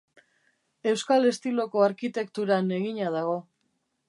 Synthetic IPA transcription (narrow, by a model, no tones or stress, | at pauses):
e̞wskale̞st̪ilo̞ko̞aɾkit̪e̞kt̪uɾane̞ɣiɲaðaɣ̞o̞